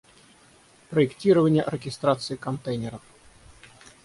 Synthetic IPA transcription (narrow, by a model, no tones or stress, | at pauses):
pɾəɪktʲiɾəvənʲɪjəɾʲəɡʲɪst̪ɾat̪sɨɪkɐnt̪ɛjnʲɪɾəf